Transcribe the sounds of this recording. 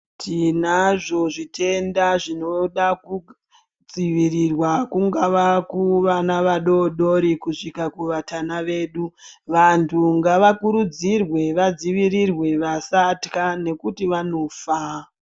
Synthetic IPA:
tʰinaʐo̞ʐitʰe̞ndaʐino̞ɗaku | d͡ziʋirirwakuŋɡaʋakuʋanaʋaɗo̞ɗo̞ɾikuʂikakuʋatanaʋe̞ːɗuʋantʰuŋɡaʋakuɾud͡zirwe̞ʋad͡ziʋirirwe̞ʋasatkane̞kutiʋano̞fa

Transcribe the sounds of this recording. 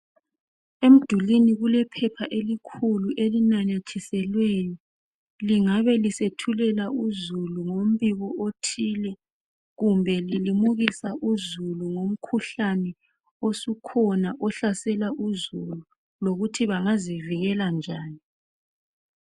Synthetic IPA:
em̩d̥ʱuliniɣulɛpʰɛpʰaʔelikʰuluʔelinaɲatʰisɛlweji | liŋaβɛlisetʰulɛlauzuluŋom̩βiɣɔotʰiːlɛ | ɣumbʱɛlilimuɣisaʔuzuluŋom̩kʰuɬanɛ | osukʰɔnaʔɔɬasɛlaʔuzulu | loɣutʰiβaŋaziviɣɛland͡ʒʱaːni

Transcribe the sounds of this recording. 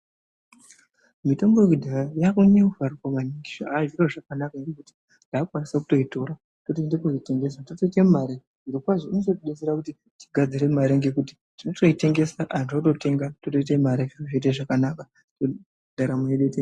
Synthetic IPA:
mitombokidʱarajakuɲeufaruwamaniŋɡiʐoaʐiroʐakanakaŋɡe̞kuti̥ | ndaːkwanisakuto̞ito̞ɾa | totoendekuite̞ŋɡe̞s̬atoto̞itemaɾe | ʐiɾikwaʐoinosotiɗeseɾakuti | ti̥ɡʱad͡ziɾe̞maɾeŋɡe̞kuti̥ | tinoto̞ite̞ŋɡe̞saʔantato̞te̞ŋɡatoto̞it̬emaɾeʐiroʐit̬eʐakanaka | to | dʱaɾamueɗete

